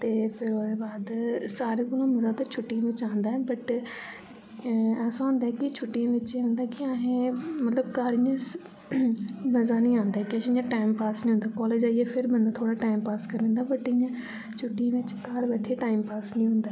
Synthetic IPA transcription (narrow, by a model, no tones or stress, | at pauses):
t̪eːpʰɪɾod̪eːbaːd̪saːɾeːkʊlõːmɐzaːt̪at͡ʃʰʊʈːijãːʋɪt͡ʃãːnd̪aːɦɛːbəʈ | ɛːsãõːnd̪aːɛkɪt͡ʃʰʊʈːiãːʋɪt͡ʃeɦʊ̃nd̪aːɛkɪaːɦẽːmɐt̪ləbkaːɾɪɲã | mɐzaːnĩːãːnd̪aːɦɛkːʃĩãːʈaːɪmpaːsnĩɦʊ̃nd̪aːkɔːleːd͡ʒaːiepʰɪɾbə̃nd̪aːt̪ʰoːɽaːʈaːɪmpaːskəɾə̃ːnd̪aːbəʈɪɲãː | t͡ʃʰʊʈːiãːʋɪt͡ʃkaːɾbət̪ʰːieːʈaːɪmpaːsnĩːɦʊ̃nd̪aː